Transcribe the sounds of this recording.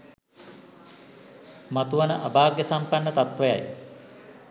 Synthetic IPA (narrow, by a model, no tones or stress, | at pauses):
mat̪uʋanəʔabaːɾɡjəsampanːət̪at̪ʋəja̰j